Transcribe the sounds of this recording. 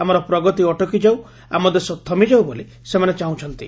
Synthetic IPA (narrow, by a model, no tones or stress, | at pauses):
amɔɾɔpɾɔɡɔt̪iɔʈɔkid͡ʒaw | a̰mɔd̪esɔt̪ʰːɔmid͡ʒawboli | semanet͡ʃaũt͡ʃʰɔnt̪i